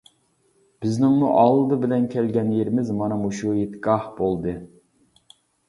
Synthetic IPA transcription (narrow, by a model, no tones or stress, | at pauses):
b̥ɪznɪŋmuʔɑlˠːɨd̪ɨbɪlɛnkʲʰɛlɡʲɛnjeɾɪmɪzmɑnɑmuʃujet̪ːɡɑhbolˠd̪ɨ